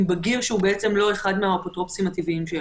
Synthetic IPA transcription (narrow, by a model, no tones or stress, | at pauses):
baɡiʁʃeubeet͡se̞mlo̞e̞χad̪meaopot̪ʁo̞psimat̪iviimʃe